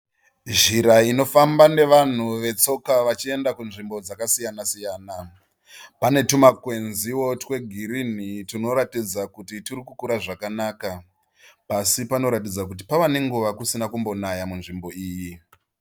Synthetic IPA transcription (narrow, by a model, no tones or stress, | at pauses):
ʒiɾaino̞fambane̞ʋan̤uʋe̞t͡so̞kaʋat͡ʃie̞ndakunʐimbo̞d͡zakasijanasijaːna | pane̞tumakwe̞nziwo̞twe̞ɡʱiɾin̤itino̞ɾatid͡zakutitirikukuɾaʐakanaːka | pasipano̞ɾatid͡zakut̬ipaʋane̞ŋɡuʋakusinakumbo̞najamunʐimbo̞iːji